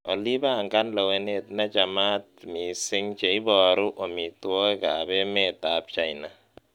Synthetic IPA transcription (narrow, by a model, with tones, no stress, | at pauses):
ɔ˨li˦ba˦˨ŋka˦nla˨we˨ne˨tna˦d͡ʒa˨ma˦t̚mi˨sɪ˦ŋt͡ʃe˨i˦bɔ˨ɾu˦ʔo˨mi˨to˦ka˨bɛ˦me˦˨ta˨p̚t͡ʃa˨jna˨